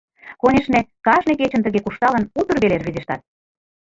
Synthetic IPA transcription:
konʲeʃnekɑʒnek̬et͡ɕə̆nt̪əɣekuʃt̪ɑlə̆nut̪ə̆rβelerβizeʃt̪ɑ̰t̪̚

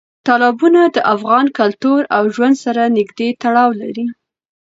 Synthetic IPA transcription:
t̪ɑlɑbunad̪əʔafɣɑnkalt̪oɾawʒwand̪saɾanɪɡd̪et̪aɽɑwlaɾi

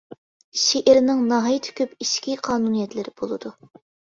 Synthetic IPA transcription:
ʃeʔɪɾnɪŋnɑɦɑjt̪ʰɪ̥kʲʰøpiʃkʲʰiqʰɑːnunijɛt̪lɪɾɪb̥olˠɨd̪u

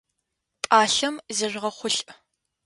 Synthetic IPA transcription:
pʼaːɬɐmzɐʒʷʁɐχʷʊɬʼ

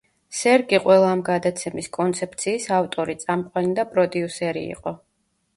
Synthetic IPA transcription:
sɛɾɡiqʼwɛlˠaːmɡad̪at̪sʰɛmiskʼɔnt̪sʰɛp̚t̪sʰiːsaft̪ʼɔɾit̪sʼamqʼwanid̪apʼɾɔd̪iusɛɾḭːqʼɔ

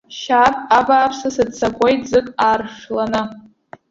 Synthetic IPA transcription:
ʃapʼabaːpʰsasɨdt͡sʰakʷʼojtʼzɨkʼaːrʂlanɨ

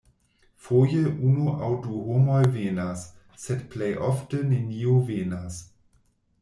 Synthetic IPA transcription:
fojəʔunoʔawduɦomɔjveːnasː | ɛtpʰlejʔɔftəneniːoveːnas

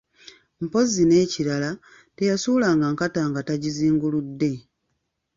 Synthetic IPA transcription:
m̩po̞zine̞ːciɾala | tejasuːlaːŋɡaŋkataːŋɡataɟiziːŋɡuludːe̞

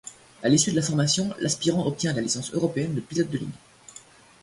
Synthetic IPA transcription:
alisyd̪əlafɔʁmasjɔ̃lʔaspiʁɑ̃ɔp̚t̪jɛ̃lalisɑ̃sø̰ʁɔpeɛnləplilɔd̪̚d̪əlḭɲ

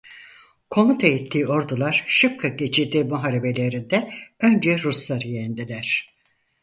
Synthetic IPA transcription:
kʰo̞mut̪ʰait̪ʰlːiːo̞ɾd̪ulˠaɾ̥ʃɯp̚kʰaɟet͡ʃʰiɾd̪iːmuɦaɾebe̞lʲe̞ɾind̪ɛønd͡ʒɛɾuslˠaɾɯjend̪ilʲæɾ̝̥

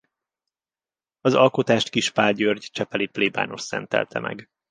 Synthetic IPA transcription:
ɒzɒlko̞t̪aːʃt̪kiʃpaːɟørɟt͡ʃɛpɛlipleːba̰ːno̞ssɛ̰nt̪ɛ̰lt̪ʰɛmʔɛ̰ɡ

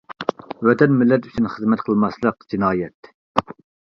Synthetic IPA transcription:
wɛt̪ʰɛnmɪlːɛt̪y̥t͡ʃʰynχəzmɛt̪̚qʰəlˠmɑslˠəqd͡ʒinɑːjɛt̪

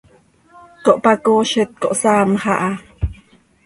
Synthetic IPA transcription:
koʔpakoʃət̪̚koʔsaːmhaʔa

